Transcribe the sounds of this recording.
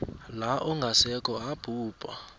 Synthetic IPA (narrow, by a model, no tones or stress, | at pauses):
laʔɔŋɡʱasɛkʰʼɔab̥ʱuːb̥ʱa